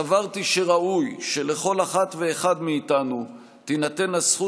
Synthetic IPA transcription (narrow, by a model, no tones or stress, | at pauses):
avaʁt̪iʃe̞ʁaujʃe̞leχo̞laχat̪ve̞ːχad̪miːt̪anu | t̪inat̪e̞nasχu